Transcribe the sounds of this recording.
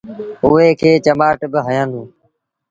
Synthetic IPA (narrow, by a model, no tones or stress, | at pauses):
ʊːeːkʰeːt͡ʃəmaːʈbɪɦəjãːnd̪ũː